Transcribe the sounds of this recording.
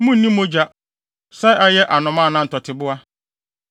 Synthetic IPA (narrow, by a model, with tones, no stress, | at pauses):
mʊ̃˦n̩˦nĩ˦mõ˦d͡ʑa˦ | sɛ˦jʔa˦jɛ˦ʔa˨nʊ̃˨mãː˦˨nã˦n̩˨tʰɔ˨tʰɪ˨bʊ˦a˦